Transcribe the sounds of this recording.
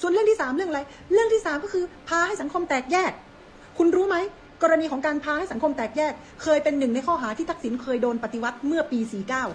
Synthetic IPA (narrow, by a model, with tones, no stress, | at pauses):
su˨˩ənlɯ˥˩ət̪ʰi˥˩saː˩˦mɾɯ˥˩əŋla˧j | ɾɯ˥˩əŋt̪ʰiː˥˩saː˨˦mkɔː˥˩kʰɯː˧pʰaː˧ha˥˩jsa˩˦ŋkʰo˧mt̪ɛː˨˩k̚jɛː˥˩k̚ʰː | u˧nɾuː˦˥ma˦˥j | kɔː˧ɾa˧niː˧kʰɔː˩˦ŋkaː˧npʰaː˧ha˥˩jsa˩˦kʰo˧mt̪ɛː˨˩k̚jɛː˥˩k̚ʰːɤː˧jpe˧nːɯ˨˩ŋna˧jkʰɔː˥˩ɦaː˩˦t̪ʰiː˥˩a˦˥k̚si˩˦nkʰɤː˧jdoː˧npa˨˩t̪i˧wa˦˥t̪̚mɯ˥˩ɐpiː˧siː˨˩kaː˥˩w